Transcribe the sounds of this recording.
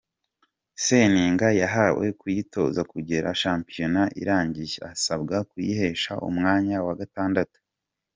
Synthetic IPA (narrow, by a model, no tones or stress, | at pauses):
seniːŋɡajaɦawe̞̰kujito̞̰zakuɟe̞ɾʔa̰ʃaːmpijo̞naʔḭɾaːɲɟiʒeasabɡakujihe̞ʃa̰ʔṵmŋaːɲawaɡataːndatu̥